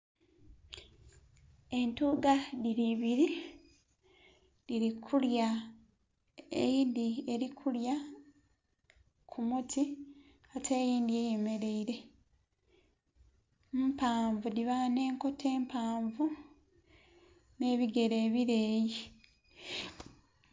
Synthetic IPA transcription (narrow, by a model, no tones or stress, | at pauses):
e̞ntuːɡaðiɾiβiɾi | diɾikʰulja | ḛjiːndie̞ɾikʰulja | kʰumutʰi | katʰeːjiːndie̞je̞me̞ɾe̞iɾe̞ | paːɱvudiβane̞ːŋko̞tʰe̞ːmpaːɱvu | ne̞ːβiɡe̞ɾeːβiɾeːji